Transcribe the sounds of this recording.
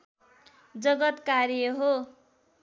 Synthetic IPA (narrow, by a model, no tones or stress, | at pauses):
d͡zʌɡʌt̪kaɾjʌɦo